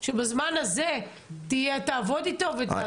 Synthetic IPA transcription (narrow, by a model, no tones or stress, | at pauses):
ʃebazmanaze | t̪ijetaːvo̞d̪it̪ove